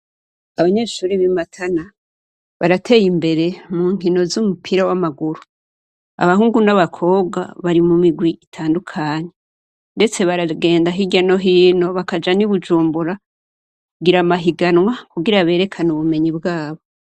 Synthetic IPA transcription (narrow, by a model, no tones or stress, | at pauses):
aβaɲe̞ːʃuːɾiβimatʰana | βaɾatʰe̞ːjimbe̞ɾe̞muːŋ̥inozumupʰiɾawamaɡuɾu | a̰βaɦuːŋɡunaβakʰo̞ːβɡa̰βaɾimumiɡwiʔitʰaːndukʰaːɲe̞ | nde̞t͡se̞βaɾaɡe̞ːndaɦiɟano̞ɦiːno̞βakad͡ʒaniβud͡ʒuːmbuɾa | kɡiɾamaɦiɡanwakuɡiɾaβe̞ːɾe̞kʰanuβume̞ɲibɡaːβo̞